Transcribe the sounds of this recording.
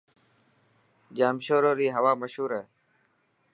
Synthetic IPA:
d͡ʒaːmʃoːɾoːɾiːɦəʋaːməʃɦuːɾɛː

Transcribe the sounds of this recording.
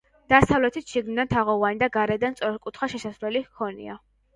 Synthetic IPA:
d̪̥asavlɛt̪ʰit̪ʃiɡnid̪ant̪ʰaʁɔvanid̪aɡaɾɛd̪anssʼɔɾɛkʼut̪ʰχaʃɛsasvɾɛlikʰɔnḭa

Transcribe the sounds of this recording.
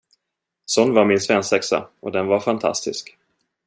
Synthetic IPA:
sɔnːvaɾmɪnsvɛnsɛksa̰ɔd̪ɛnvaɾfant̪ʰa̰st̪ɪsk

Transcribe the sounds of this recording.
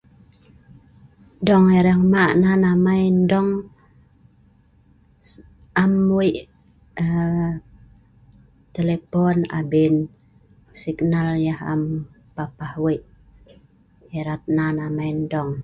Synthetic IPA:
dɔŋeɾɛŋmaʔnanamajndɔŋ | amwiʔ | t̪elepɔna̰bin | siknaljaha̰m | papahwiʔ | eɾat̪̚nanamajndɔŋ

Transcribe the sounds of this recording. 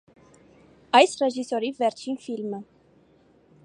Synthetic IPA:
ɑjsrɛʒisɔɾivɛɾt͡ʃʰinfilmə

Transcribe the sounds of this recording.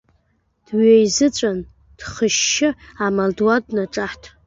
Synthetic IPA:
d̥ɥejzɨt͡ɕʷʼan | d̥χəʃːɪamaldwadnaʈ͡ʂʼaħtʰ

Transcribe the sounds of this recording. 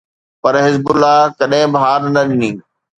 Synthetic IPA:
pɐɾɦɪzbʊlːakɐɗɦɪ̃bɐɦaːɾnɐɗɪniː

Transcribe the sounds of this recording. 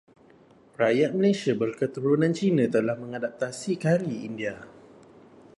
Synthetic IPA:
rajat̪̚məlesiabərkət̪uɾunãnt͡ʃinãt̪əlahmə̃ŋadap̚t̪asikaɾiindia

